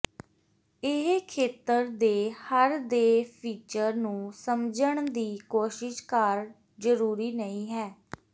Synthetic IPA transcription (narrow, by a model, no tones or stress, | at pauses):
ɪɦkʰeːt̪əɾd̪eːhəɾd̪eːpʰiːt͡ʃəɾnũːsəmd͡ʒəɳd̪iːkoːʃɪʃkəɾ | zəɾuːɾiːnəĩːɦɛː